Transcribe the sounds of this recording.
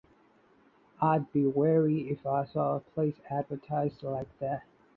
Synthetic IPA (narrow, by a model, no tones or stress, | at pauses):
aɪd̚biwɛɹiɪfaɪsɔəpʰl̥eɪsædvə˞tʰaɪzdlaɪk̚ðæt̚